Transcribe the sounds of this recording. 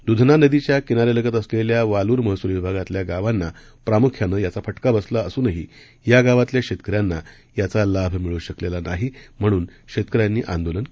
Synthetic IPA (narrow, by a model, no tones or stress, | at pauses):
d̪ud̪ʱnanəd̪it͡ɕjakinaɾeləɡət̪əsleljaʋaluːɾməɦsulʋibʱaɡat̪ljaɡaʋanːa | pɾamukʰjanəjat͡safəʈkabəslaəsuːnəɦi | jaɡaʋat̪ljakɕet̪kəɾjanːa | jat͡salabʱmiɭuːɕəklelanaɦim̤əɽ̃uːnɕet̪̚kəɾjanːiːʔã̰nd̪olən